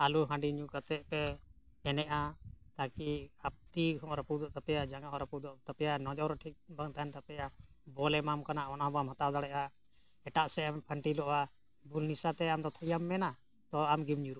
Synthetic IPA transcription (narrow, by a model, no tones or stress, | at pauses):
aluɦãɖiɲukat̪ɛʔ̚pɛ | ɛnɛʔat̪akiap̚t̪iɦɔ̃ɾapud̪ɔʔt̪apɛjad͡ʒaŋɡaɦɔ̃ʔɾapud̪ɔʔt̪apɛjanɔd͡ʒɔwɾɔʈʰik̚baŋt̪aɛnt̪apɛja | bɔlɛmamkanaʔɔnaɔbɔamɦat̪awd̪aɽɛʔa | ɛʈaʔsɛampʰəɳʈilɔʔa | bulnisat̪ɛamd̪ɔt̪ʰəjamːɛna | t̪ɔamɡimɲuɾuʔ